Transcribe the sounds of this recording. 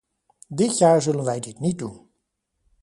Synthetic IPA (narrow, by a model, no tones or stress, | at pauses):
dɪtjaːɹzɵlənʋɛjdɪtnit̚dun